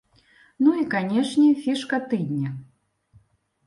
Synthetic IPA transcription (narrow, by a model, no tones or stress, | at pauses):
nuikanʲɛʂnʲɛfʲiʂkɐt̪ɨd̪ʲnʲɐ